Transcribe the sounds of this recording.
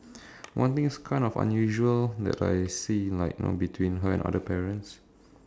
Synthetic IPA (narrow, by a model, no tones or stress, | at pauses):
wʔãnt̪ĩŋskʰãɪ̃ndɔfã̰njuʒuəld̪ɛ̰ta̰jsilaɪk̚no̰bitʰwĩnɦəɛ̰̃na̰dəpɛɹə̃ns